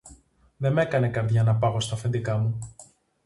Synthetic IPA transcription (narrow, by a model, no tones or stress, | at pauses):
ðe̞me̞kɐne̞kɐɾðʝɐnɐpɐɣo̞st̪ɐfe̞nd̪ikɐmu